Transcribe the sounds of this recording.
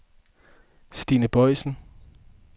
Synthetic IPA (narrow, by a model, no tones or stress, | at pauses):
sd̥ḭːnəb̥ɒɪ̰sn̩